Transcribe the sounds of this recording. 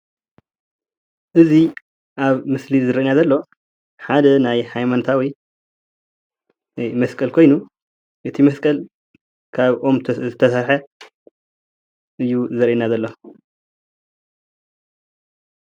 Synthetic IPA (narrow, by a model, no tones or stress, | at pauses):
ʔɨzi | ʔaβmɨslizɨɾɐʔinazɐlːo̞ | ħad̪ɐnajhajmant̪ʰawi | mɐskʼɐlkʰo̞jnu | ʔɨt̪ʰimɐskʼɐl | kʰaβʔo̞mʰzɨt̪ʰɐsaɾħɐ | ʔɨjːuzɨɾʔenazɐlːo